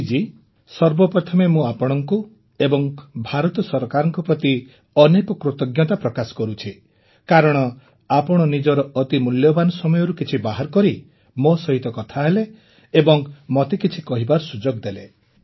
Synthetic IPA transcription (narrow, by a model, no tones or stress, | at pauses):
d͡ʒi | sɔɾbɔpɾɔt̪ʰɔmemũapɔɽ̃ɔŋku | ebɔŋbʱaɾɔt̪ɔsɔɾɔkaɾɔŋkɔpɾɔt̪i | ɔnekɔkɾut̪ɔɡjɔt̪apɾɔkasɔ̥kɔɾut͡ʃʰi | kaɾɔɽ̃ɔ | apɔɽ̃ɔnid͡ʒɔɾɔɔt̪imuljɔbanɔsɔmɔjɔɾukit͡ʃʰibaɦaɾkɔɾi | mosɔɦit̪ɔkɔt̪ʰaɦeleː | bɔŋmɔt̪ekit͡ʃʰikɔɦibaɾɔsud͡ʒoɡd̪ele